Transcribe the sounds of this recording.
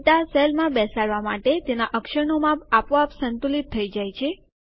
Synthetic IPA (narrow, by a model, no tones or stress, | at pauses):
t̪aselmãbɛsaɭʋama̰ʈet̪enaʔəkʃəɳomãapʋapsənt̪ulit̪ʰːəid͡ʒajt͡ʃʰe